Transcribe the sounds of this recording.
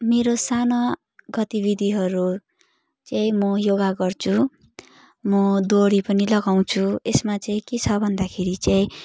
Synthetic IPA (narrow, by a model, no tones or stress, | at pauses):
meɾosanʌ | ɡʌt̪ibid̪ʱiɦʌɾu | t͡saĩmʌjoɡaɡʌrt͡sʰu | mʌd̪oɽipʌnilʌɡaw̃t͡sʰuesmat͡saĩket͡sʰʌbʱʌnd̪akʰeɾit͡saĩ